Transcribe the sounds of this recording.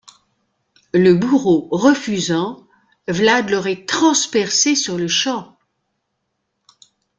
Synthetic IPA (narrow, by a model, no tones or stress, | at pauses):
ləbuʁoʁəfyzɑ̃ | vlad̪lɔʁɛt̪χɑ̃spɛʁsesyʁləʃɑ̃